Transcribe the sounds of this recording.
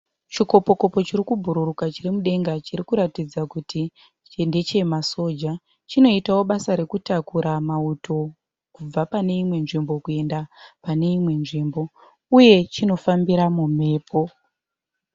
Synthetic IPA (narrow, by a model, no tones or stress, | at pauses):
t͡ʃiko̞po̞ko̞po̞t͡ʃiɾikubʱuɾurukat͡ʃirimuɗe̞ŋɡat͡ʃirikuɾatid͡zakutʰi | t͡ʃende̞t͡ʃe̞maso̞d͡ʒa | t͡ʃino̞itawo̞ɓasaɾe̞kutakuɾamauto̞ | kub͡vapane̞imwe̞nʐimbo̞kue̞ndapane̞imwe̞nʐimbo̞ | uje̞t͡ʃino̞fambiɾamume̞ːpʰo̞